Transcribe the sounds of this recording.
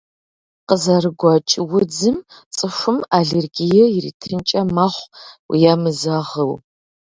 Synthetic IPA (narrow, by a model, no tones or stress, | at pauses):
qəzɐrɨɡʷɔt͡ʃʼɪwʊd͡zɨmt͡sʼɨʂʷʊmaɮerɡijɛjirḭtʰɨnt͡ʃʼɐmaχʷwḭjamɨzɐʁəw